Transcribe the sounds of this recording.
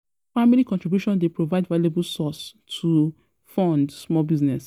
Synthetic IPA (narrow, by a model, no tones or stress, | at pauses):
familikɔ̃ntɹibjuʃɔ̃ndepɹovaɪdvalebul̩sɔstʰu | fɔ̃ndsmɔlbiznɛs